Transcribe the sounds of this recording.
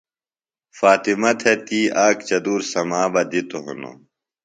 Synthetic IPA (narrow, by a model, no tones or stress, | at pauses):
faːt̪imɐt̪ʰet̪iːʔaːkt͡ɕɐd̪uːɾsɐmaːbɐd̪it̪oɦṵno̰